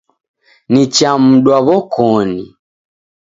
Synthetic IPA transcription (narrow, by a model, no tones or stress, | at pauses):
nit͡ʃam̩ɗwaβɔkʰɔni